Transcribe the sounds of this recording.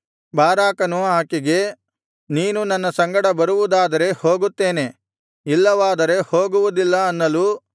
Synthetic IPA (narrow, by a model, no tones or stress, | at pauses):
baːɾaːkɐnuaːkiɡe̞ | niːnunɐnːɐsɐŋɡɐɽɐbɐɾuʋud̪aːd̪ɐɾe̞hoːɡut̪ːe̞ːne̞ | ilːɐʋaːd̪ɐɾe̞ho̞ːɡuʋud̪ilːɐɐnːɐluː